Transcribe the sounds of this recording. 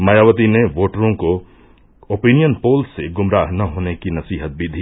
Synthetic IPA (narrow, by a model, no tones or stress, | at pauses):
mɐjaːʋət̪ineʋoːʈəɾõko | oːpiːnijənpoːlsːeɡʊmɾaːɦnɐɦoːnekinɐsiːɦət̪̚bid̪ʱiː